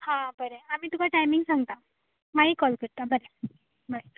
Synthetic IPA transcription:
hãbəɾeamiːt̪ukaʈajmiŋɡsãŋɡt̪a | maɦiːkɔlkəɽt̪abəɾe | məe

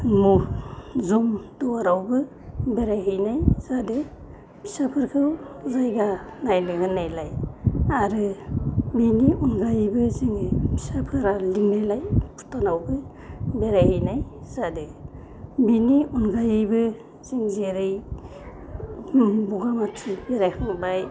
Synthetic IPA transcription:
mu | zumdɔwaɾawbɯ | beɾajɦɯjnajz̥adɯ | bʰi̥sapʰɯɾkʰɯwzajɡanajlɯɦɯnːajlajaɾɯ | biniunɡajbɯziŋɯjbʰi̥sapʰɯɾalimalajpʰu̥tɔnawbɯ | beɾajhɯjnajz̥adɯ | biniunɡajɯbɯ | z̥iŋzeɾɯj | buɡamatʰibeɾajkʰaŋbaj

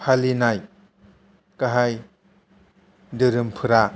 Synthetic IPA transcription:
pʰalinaj | kaɦaj | dɯɾɯmpʰɯɾa

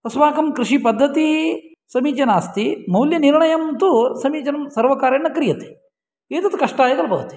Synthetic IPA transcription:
ɐsʋaːkɐmkɾiʂipɐd̪ʱːɐt̪i | sɐmiːt͡ʃɐnaːst̪imɐwljɐniɾɳɐjɐmt̪usɐmiːt͡ʃɐnɐmsɐɾʋɐkaːɾenːɐkɐɾijɐt̪e̥ | eːt̪ɐt̪ːɐkɐʂʈaːjɐɡɐlɐbɐʋɐt̪e̥

